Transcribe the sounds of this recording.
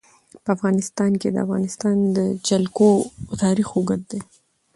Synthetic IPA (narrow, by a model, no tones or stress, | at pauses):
pəafɣɑnɪst̪ɑnked̪ə̰a̰fɣɑ̰nɪst̪ɑnd̪əd͡ʒalkot̪ɑɾixoɡət̪̚d̪e